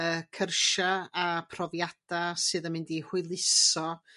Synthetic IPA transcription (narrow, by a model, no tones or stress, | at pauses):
əkʰərʃaapʰrɔvjad̥asɨðəmɪndihwʊɨlˠɪsɔ